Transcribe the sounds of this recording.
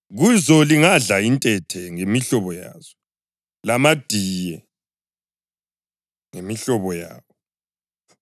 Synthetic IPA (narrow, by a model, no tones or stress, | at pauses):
ɣuzɔliŋaɮaintʼɛtʰɛŋemiɬɔβɔja̰ːz̥ɔ | lamad̥ʱiːjɛ | ŋemiɬɔβɔja̰ːwɔ